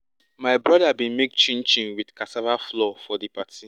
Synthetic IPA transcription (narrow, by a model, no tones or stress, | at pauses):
maɪbɹɔdabĩnmekt͡ʃĩnt͡ʃĩnwidkatavaflɔfɔdipati